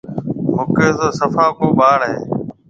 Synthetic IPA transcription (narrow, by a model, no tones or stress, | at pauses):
ɦʊkeːzoːsəfaːkoːɓaːɳɦḛː